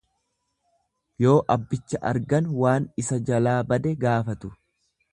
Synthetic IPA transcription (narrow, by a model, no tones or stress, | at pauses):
jo̞ːʔɐbːɪt͡ʃːɐʔɐ̰ɾɡɐnwaːnɪsɐd͡ʒɐlaːbɐd̪ɛɡaːfɐt̪ʊ̥